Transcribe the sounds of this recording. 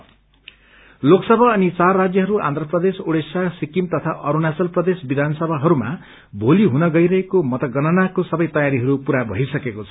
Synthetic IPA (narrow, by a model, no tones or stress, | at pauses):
loksʌbʱʌːnit͡sarːad͡zjʌɦʌɾuʔa̰nd̪ʱrʌprʌd̪esoɽesasikimt̪ʌt̪ʰaʔʌɾunasʌlprʌd̪esbid̪ʱanʌsʌbʱaɦʌɾuma̰ | bʱoliɦunʌɡʌjɾʌɦekomʌt̪ʌɡʌnʌnakosʌbʌjt̪ʌjaɾiɦʌɾupuɾabʱʌ̰ɦisʌkekot͡sʰʌ